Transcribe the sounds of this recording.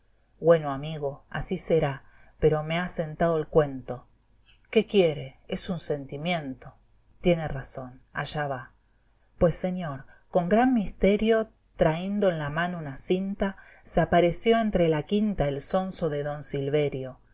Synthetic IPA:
bwe̞no̞amiɣo̞a̰sise̞ɾa | pe̞ɾo̞mease̞nt̪aðoelkwe̞nt̪o̞ | ke̞kje̞ɾe̞esunse̞nt̪imjẽ̞nt̪o̞ | t̪je̞neraso̞na̰ʒaβa | pwesːe̞ɲjo̞ɾko̞ŋɡɾanmist̪e̞ɾjo̞ | t̪ɾaend̪o̞enlamanounasint̪a | seapaɾe̞sjo̞ent̪ɾelakint̪aelso̞nso̞ðe̞ðo̞nsilβe̞ɾjo̞

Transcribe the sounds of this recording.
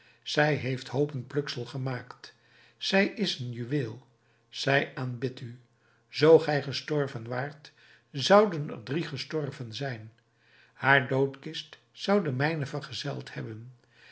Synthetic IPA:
z̥ɛjɦejfthowpənplɵksəlˠχəmaːkt | z̥ɛjɪsənjyʋeːlˠ | z̥ɛjaːnbɪty | z̥owχɛjχəstɔɹvənʋaːɹt | zɑwdənə̰rdriχəstɔrvənzɛjn | haːɹdowtkɪst | sʌwdəmɛjnəvərχəzɛ̰lˠthɛbən

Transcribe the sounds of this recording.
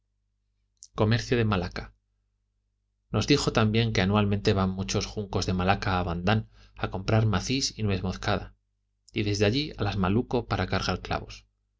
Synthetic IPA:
ko̞me̞ɾθjoðe̞malaka | no̞zðixo̞t̪ambje̞ŋke̞anuwalmẽnt̪e̞βamːut͡ʃo̞sxuŋko̞zðe̞malakaːβand̪an | ako̞mpɾaɾmaθisinwe̞θmo̞θkað̞a | iðe̞zðeaʎia̰lazmaluko̞paɾakaɾɣaɾkla̰βo̞s

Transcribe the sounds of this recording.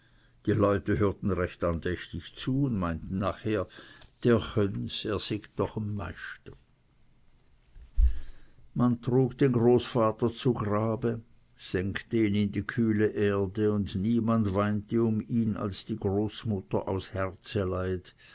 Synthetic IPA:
d̥iːlɔʏtəɦøːɐtn̩ʁɛçtandɛçtɪçt͡suːʊndmaɪntn̩nːaːχheːɐd̥eːɐhœnseːɐz̥ɪkd̥ɔχamːa̰ɪʃtə | mantʁ̥uːkd̥eːnɡʁoːsfaːtɐt͡suɡʁaːbə | z̥ɛŋktəiːnɪndiːkʰyːləʔeːɐdəʊndniːmandvaɪntəʊmiːna̰lsd̥iːɡʁoːsmʊtɐʔa̰ʊshɛʁt͡səlaɪt

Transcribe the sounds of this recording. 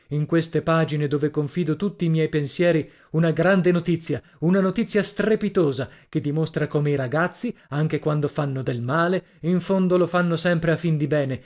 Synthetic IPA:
iŋkwest̪epaːd͡ʒined̪oːvekoɱfiːd̪ot̪ut̪ːiːmjɛjpensjɛːɾi | unaɡɾand̪enot̪it̪sːja | unanot̪it̪sːjast̪repit̪oːzaked̪imost̪ɾakoːmeiɾaɡat̪sːiaŋk̟ekwand̪ofanːod̪elmaːle | iɱfond̪olofanːosɛmpɾeafːind̪ibɛːne

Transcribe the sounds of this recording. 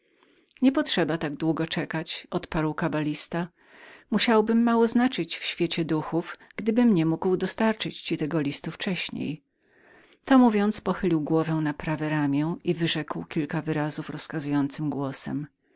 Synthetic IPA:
ɲɛpɔtʂɛbat̪aɡd̪wuɡɔt͡ʂɛkat͡ɕɔt̪paɾwkabalʲist̪a | muɕawbɘmːawɔznat͡ʂɘt͡ɕfɕfʲjet͡ɕɛd̪uxufɡ̥d̪ɘbɘmɲɛmuɡwd̪ɔst̪aɾt͡ʂɘt͡ɕt͡ɕit̪ɛɡɔlʲist̪uft͡ʂɛɕɲḛj | t̪ɔmuvʲjɔnt̪spɔxɘlʲiwɡwɔvɛw̃napɾavɛɾamʲjɛivɘʐɛkwkʲilkavɘɾazufɾɔskazujɔnt̪sɘmɡwɔsɛ̰m

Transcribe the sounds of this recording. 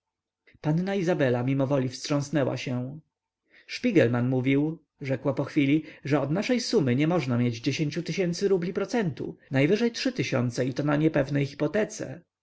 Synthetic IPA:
panːaizabɛlamʲimɔvɔlʲifstʂɔ̃w̃snɛwa̰ɕɛ̃ | ʂpʲiɡɛlmanmuvʲiw | ʐɛkwapɔxfʲilʲiʐɛɔd̪naʂɛjsumɘɲɛmɔʐnamʲjed͡ʑd͡ʑeɕeɲʲt͡ɕut̪ɘɕɛnt̪sɘɾublʲipɾɔt̪sɛnt̪ṵnajvɘʐɛjtʂɘt̪ɘɕɔ̰nt̪sɛit̪ɔnaɲɛpɛvnɛjxi̥pɔt̪ɛt̪sɛ̰

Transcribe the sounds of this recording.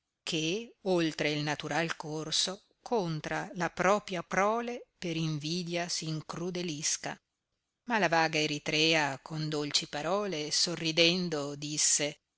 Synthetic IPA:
kʰeolt̪ɾeilnat̪uɾalkorso | kʰont̪ɾalapɾɔːpɾjapɾɔːlepeɾiɱviːd̪jasiːŋkɾud̪eliska̰ | malavaːɡaeɾit̪ɾɛːakʰond̪olt͡ʃipaɾɔːlesorːid̪ɛnd̪od̪isːe

